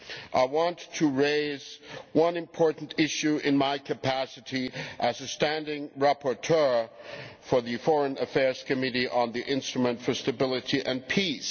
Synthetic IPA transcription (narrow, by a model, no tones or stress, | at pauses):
ʔaɪwɑ̃ntʰɨɹeɪzwʌ̃nɨ̃mpʰɔɹʔn̩tʰɪʃʉʔɪ̃nmaɪkʰɨpʰæsɨɾiʔɨzɨstæ̃ndɪ̃ŋɹæpə˞tʰɜ˞ | fə˞ðɨfɔɹɨ̃nɨfɛɹz̥kɨmɪɾiʔə̃nðiʔɪ̃nstɹ̥ɨmɨ̃ntfə˞stɨbɪlˠəɾiʔɨ̃npʰis